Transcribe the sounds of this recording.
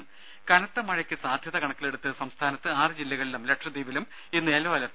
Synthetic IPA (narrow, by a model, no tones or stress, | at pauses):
m | kɐnɐt̪ːɐmɐɻɐkʲːɨsaːd̪ʱjɐðɐɣɐɳɐkʲːile̞ɽut̪ːɨsɐmst̪ʰaːnɐt̪ːɨaːrɨd͡ʑilːɐɣɐɭilumle̞ʈʂɐd̪iːʋilum | inːɨeloɐlɐ